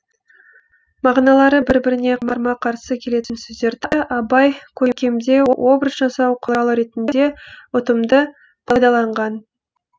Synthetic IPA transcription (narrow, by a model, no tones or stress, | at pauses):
mɑʁnɑlˠɑɾəbɪɾbɪɾɪne̞mɑɾmɑqʰɑɾsəkʲʰe̞le̞t̪ɪnsɵzd̪e̞ɾd̪ɪʔɑbɑjkʲʰɵkʲʰe̞md̪e̞wʔo̞bɾəsʒɑsɑwqʰəlˠɑlˠəɾe̞t̪ɪnd̪e̞ʊt̪əmd̪ə | bʰɑjd̪ɑlˠɑɴʁɑn